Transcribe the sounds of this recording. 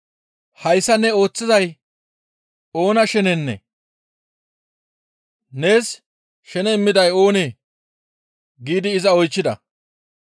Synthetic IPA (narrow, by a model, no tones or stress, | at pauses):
hɐjsːɐnːɛo̞ːt͡sːɪzɐj | o̞ːnɐʃɛnɛnːɛ̰ | ne̞ːs | ʃɛnɛɪmːɪd̪ɐjoːneː | ɡiːd̪ɪːzɐɔjt͡ʃːɪd̪ɐ̰